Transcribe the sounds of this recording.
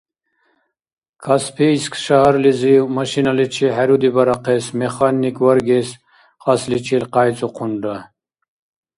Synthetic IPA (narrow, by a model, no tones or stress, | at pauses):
kʰaspʰiskʃaɦaɾlizimɐʃinalit͡ʃʰiħaɾud̪ibɐɾaqʰesmeχanːikwɐɾɡes | χaslit͡ʃʰilqaːjt͡sʼuqʰuɳɖa